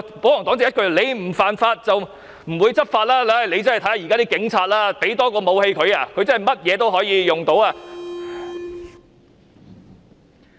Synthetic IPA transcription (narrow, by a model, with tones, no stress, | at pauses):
po˨˥wjɔ˨˩ŋt̪ɔ˨˥ŋt͡sɛ˨˥j̚kʰɵ˨˧ɥle˨˧jm̩˨˩faː˨nfaː˧t̚t͡sɐ˨w | m̩˨˩wuː˨˧jt͡sɐ˥t̚faː˧t̚laː˥la˥˨le˨˧jt͡sɐ˥n˨t̪ʰɐ˨˥ja˧ji˨kaː˥t̪iː˥kɪ˨˥ŋt͡sʰaː˧t̚laː˥pe˨˥jt̪ɔː˥kɔː˧mo˨˧whe˧jkʰɵ˨˧ɥa˧kʰɵ˨˧ɥt͡sɐ˥nhɐ˨˩jmɐ˥t̚jɛː˨˧t̪̬o˥wɦɔː˨˥jiː˨˧jʊ˨ŋt̪o˨˥waː˧